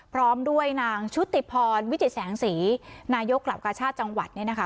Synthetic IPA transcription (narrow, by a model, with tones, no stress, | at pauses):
pʰɾɔː˦˥mdu˥˩əjnaː˧ŋt͡ɕʰu˦˥t̪ːi˨˩pʰɔː˧nwi˦˥t̪i˨˩t̪̚sɛː˩˦ŋsiː˩˦naː˧jo˦˥kːla˨˩wkaː˧t͡ɕʰaː˥˩t̪̚t͡ɕa˧ŋwa˨˩t̪̚ni˥˩na˦˥kʰa˦˥